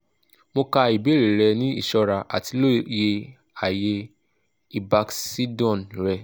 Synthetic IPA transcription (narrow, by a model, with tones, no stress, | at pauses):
mo˧ka˧i˨be˨˦ɾe˨ɾɛ˧nĩ˦ḭ˦˨ʃɔ˧ɾa˧ʔa̰˨ti˧lo˦je˧ | a˨je˧ | i˨ba˧ksi˦dɔ̃˦˨nɾɛ˧